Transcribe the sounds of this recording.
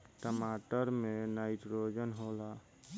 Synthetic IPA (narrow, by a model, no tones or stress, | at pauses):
ʈəmaːʈəɾmẽnaɪʈɾoːd͡ʒənɦoːla